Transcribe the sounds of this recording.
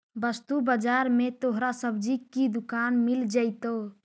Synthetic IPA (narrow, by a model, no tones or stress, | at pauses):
bəst̪ubəd͡ʒaɾmet̪oɦɾasəbd͡ʒikid̪ukanmild͡ʒəɪt̪o